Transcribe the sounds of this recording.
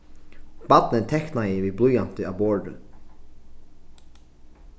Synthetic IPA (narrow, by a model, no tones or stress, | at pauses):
b̥ad̪̚nɪnt̪ʰɛknajɪviːblˠujan̥t̪ɪawbɔːɹɖə̰